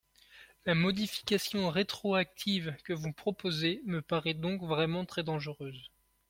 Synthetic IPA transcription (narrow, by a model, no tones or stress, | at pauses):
lamɔd̪ifi̥kasjɔ̃ʁet̪χɔak̚t̪ʰivkəvupχɔpozeməpaʁɛd̪ɔ̃kvʁɛmɑ̃t̪χɛd̪ɑ̃ʒəʁøːz